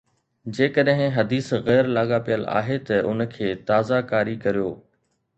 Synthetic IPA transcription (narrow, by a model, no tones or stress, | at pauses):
d͡ʑeːkəɗɦɪ̃ɦɐd̪iːsɣɛːɾlaːɠapijəla̰ːɦet̪ɐʊnkʰeːt̪aːzakaːɾikɐɾijoː